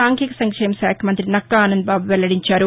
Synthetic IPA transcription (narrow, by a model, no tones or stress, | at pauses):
aːŋkikɐsɐŋkʂɐjɐmɐʃaːkʰɐmɐnt̪ɾinɐkːɐaːnɐnd̪̚baːbuʋɛlːɐɽiɲt͡ʃaːɾu